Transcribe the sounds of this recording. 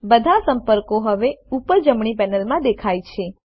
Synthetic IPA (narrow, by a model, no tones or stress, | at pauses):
bəd̪ʱasəmpəɾkoɦəʋeupəd͡ʒəmɳ̃ipɛnəlmãd̪ekʰajt͡ʃʰe